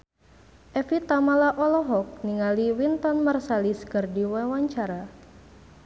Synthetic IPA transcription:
ʔɛfit̪amalaʔɔlɔɦɔk̚niŋaliwint̪ɔnmarsaliskərdiwawaɲt͡ʃaɾa

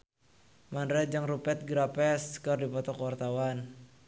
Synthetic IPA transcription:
mandɾad͡ʒaŋrupɛt̪̚ɡɾapɛskərdipɔt̪ɔkəwart̪awan

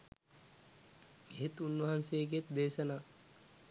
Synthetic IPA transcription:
eɦet̪unʋɐɦansejɡijet̪d̪eːʃɐnaː

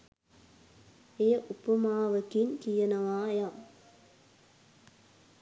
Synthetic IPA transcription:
ejɐʔʊpːɐmaːʋɐkinkijɐnɐʋaːjaː

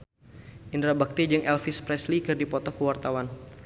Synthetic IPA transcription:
ʔind̪ɾabak̚t̪id͡ʒɨŋʔɛlfispɾɛslikɨrdipɔt̪ɔkəwart̪awan

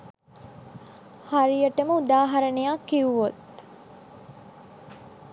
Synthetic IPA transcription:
haɾijəʈəməud̪aːɦɐɾənejakːiuʋot̪

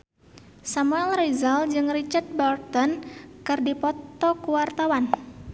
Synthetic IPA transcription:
samuɛlrizald͡ʒɨŋrit͡ʃart̪̚bart̪ɔnkɨrdipɔt̪ɔkuwart̪awan

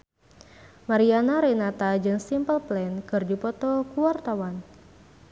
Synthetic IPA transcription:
maɾianaɾɛnat̪ad͡ʒɨnsimpəlplɛnkɨrd͡ʒupɔt̪ɔkuwart̪awan

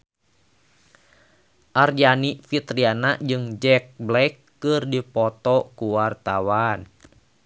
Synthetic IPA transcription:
ʔard͡ʒanifit̪ɾianaʔd͡ʒɨŋd͡ʒɛk̚blɛkːɨrdipɔt̪ɔkuwart̪awan

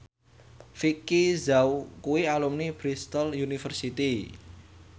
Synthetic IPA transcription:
fikizaukuialumnib̥ɾist̪əljunifərsit̪i

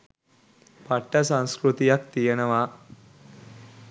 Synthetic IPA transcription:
pɐʈːɐsɐŋskɾut̪ijɐkt̪ijɐnɐʋaː

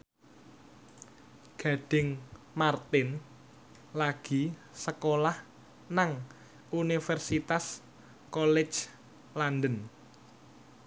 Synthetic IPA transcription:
ɡ̥a̤ɖ̥ɪ̤ŋ | mart̪ɪn | laɡ̥i | səkolah | naŋ | unifɛrsit̪as | kolɛ̥d͡ʒ | landən

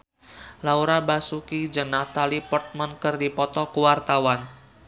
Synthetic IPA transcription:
lauɾabasukid͡ʒəŋnat̪alipɔrt̪̚mankɨrdipɔt̪ɔkuwart̪awan

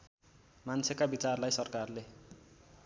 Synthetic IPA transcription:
mansʰekabit͡sarlajsʌrkarle

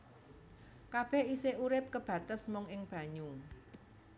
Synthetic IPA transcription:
kab̥ɛhiseʔuɾɪp̚kəb̥ä̤t̪əsmʊŋɪŋb̥ä̤ɲu

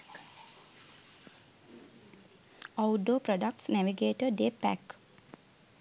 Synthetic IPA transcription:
ɔwɖoːpɾɔɖək̚ʈsnɛʋiɡeːʈəɖepæ̰k

